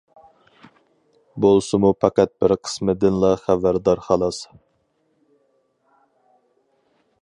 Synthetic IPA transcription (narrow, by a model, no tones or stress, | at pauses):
bolˠsɨmupʰɑqæt̪̚bɪɾqʰə̥smɪd̪ɪnlˠɑχævæɾd̪ɑɾχɑlˠɑs